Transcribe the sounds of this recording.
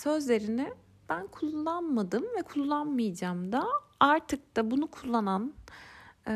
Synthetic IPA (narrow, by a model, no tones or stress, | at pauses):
sø̞zlʲe̞ɾinɪ | b̥ænkʰulˠːanmad̪ɯmvɛkʰulˠːanmɯjd͡ʒaːmd̪aaɾt̪ʰɯk̚d̪abunukʰulˠːanan